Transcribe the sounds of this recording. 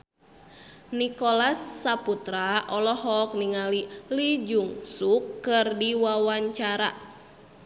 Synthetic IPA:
nikolasːaput̪ɾaʔɔlɔhɔk̚niŋalilid͡ʒuŋsukːɨrdiwawaɲt͡ʃaɾa̰

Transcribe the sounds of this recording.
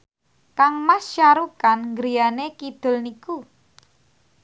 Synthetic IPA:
kaŋmast͡ʃaɾukanŋɡɾijanekid̪̥ʊ̤lniku

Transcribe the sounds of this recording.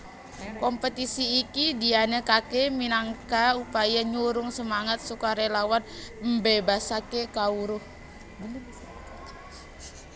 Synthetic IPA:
kɔmpət̪isiːkidianekakeminaŋkaupajaɲuɾʊŋsəmaŋat̪̚sukaɾelawanmbebasakekauɾʊh

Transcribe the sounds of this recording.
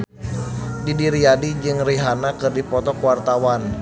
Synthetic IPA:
didiɾiadid͡ʒɨŋriɦanakɨrdipɔt̪ɔkwart̪awan

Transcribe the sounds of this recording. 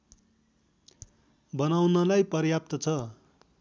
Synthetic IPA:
bʌnawnʌlajpʌrjap̚t̪ʌt͡sʰʌ

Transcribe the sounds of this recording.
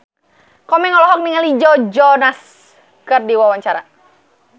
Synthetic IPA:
kɔmɛŋɔlɔɦɔk̚niŋalid͡ʒɔd͡ʒɔnas | kɨrdiwawaɲt͡ʃaɾa

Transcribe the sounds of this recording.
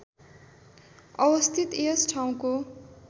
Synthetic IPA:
ʌwʌst̪ʰit̪esʈʰaw̃ko

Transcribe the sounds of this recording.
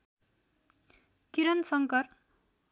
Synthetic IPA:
kiɾʌnsʌŋkʌr

